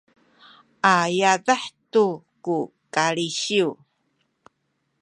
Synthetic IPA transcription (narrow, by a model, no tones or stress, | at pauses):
ʔajadaħtuku | kaɭiɕiu